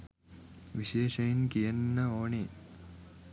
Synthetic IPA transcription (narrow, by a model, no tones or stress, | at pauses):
ʋiʃeːʃɐjinkijɐnːɐoːɳi